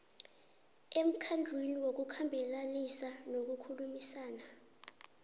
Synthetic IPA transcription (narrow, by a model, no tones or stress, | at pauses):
em̩kʰand͡ɮʱweniwok̬ukʰambʱɛlanisanok̬ukʰulumisaːna